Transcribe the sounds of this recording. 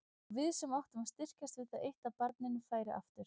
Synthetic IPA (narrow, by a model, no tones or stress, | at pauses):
vɪðsɛmawht̪ʏmast̪ɪr̥cast̪vɪðaðejht̪aðpaɾt̪nɪnʏfaːjɾɪʔa̰ft̪ʏɾ̥